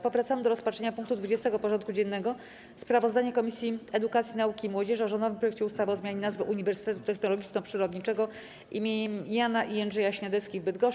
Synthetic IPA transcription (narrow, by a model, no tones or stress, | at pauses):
pɔvɾat̪samɘd̪ɔɾɔspatʂɛɲapuŋkt̪ud̪vud͡ʑɛst̪ɛɡɔpɔʐɔnt̪̚kud͡ʑɛnːɛɡɔ | spɾavɔzd̪aɲɛkɔmʲisʲjiɛd̪ukat̪sʲjinaukʲimwɔd͡ʑɛʐɔʐɔnd̪ɔvɘmpɾɔjɛk̚t͡ɕɛust̪avɔzmjaɲɛnazvɘʔuɲivɛɾsɘ̥t̪ɛt̪ut̪ɛxnɔlɔɡʲit͡ʂnɔpʂɘɾɔd̪ɲit͡ʂɛɡɔ | ʔimʲeɲɛmjanaʔianʐɛjaɕɲad̪ɛt̪skʲivbɘd̪ɡɔʂ